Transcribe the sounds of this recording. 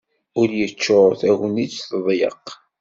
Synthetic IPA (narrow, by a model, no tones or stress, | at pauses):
ʊɾjət͡ʃːoθæɣnit͡sθðˤjə̰q